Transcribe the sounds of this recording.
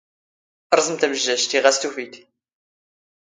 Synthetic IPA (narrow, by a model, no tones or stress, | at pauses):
ɾˤzˤəmt̪æməʒːæʃt̪iʁæst̪ufit̪